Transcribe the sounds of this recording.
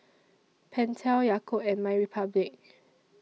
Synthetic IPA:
pʰɛ̃ntʰɛwjakʰopɛ̃nmãɪɹipʰablik̚

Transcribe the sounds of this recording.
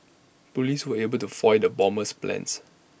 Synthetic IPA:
poliswəebəltufɔjdəbɔ̃məsplɛ̰̃ns

